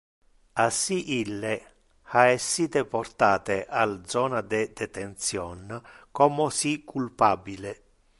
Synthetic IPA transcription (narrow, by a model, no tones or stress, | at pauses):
asːiʔilːe | aɛsːiːt̪epɔrt̪aːt̪eʔald̪zɔːnad̪ɛd̪ɛt̪ent̪sjɔnkɔmosikːulpabile